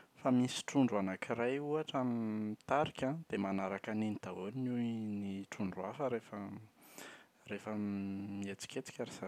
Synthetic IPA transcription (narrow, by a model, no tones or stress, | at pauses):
famisi̥ʈ͡ʂuɳɖ͡ʐuanakiɾajuaʈ͡ʂamimit̪aɾikʲad̪̥emanaɾakaninit̪aoniniwniʈ͡ʂuɳɖ͡ʐuafəɾefə | refəmiet͡si̥kʲet͡si̥kʲaɾiz̥a